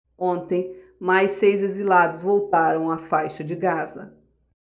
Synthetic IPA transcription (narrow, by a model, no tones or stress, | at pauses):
õnt̪ẽj̃ | majsejzezilad̪ʊzvowt̪aɾɐ̃w̃afajʃɐd͡ʒɪɡazɐ̰